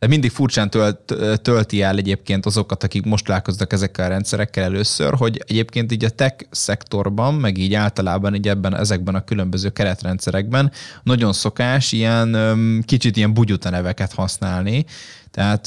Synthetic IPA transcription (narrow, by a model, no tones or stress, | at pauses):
at̪mind̪ikfurt͡ʃaːnt̪ølt̪ølt̪iɛlɛɟeːp̚keːnt̪ɒzo̞kɒt̪ɒkikmo̞ʃt̪laːko̞znɒkɛzɛkːɛlɒɾɛnt̪sɛɾɛkːɛlɛløːsø̰rɦo̞ɟɛɟeːpkeːnt̪̬iːɟɒt̪ɛksɛkt̪o̞rbɒmːɛɡiːɟaːlt̪ɒlaːbɒniːɟɛbːɛnɛ̰zɛɡ̚bɛnɒkylø̞mbøzøːkɛɾɛt̪rɛnt̪sɛɾɛɡ̚bɛnnɒɟo̞nso̞kaːʃijɛnkit͡ʃit̪ijɛmbuɟut̪ɒnɛvɛkɛt̪hɒsnaːlnit̪ɛɦaːt̪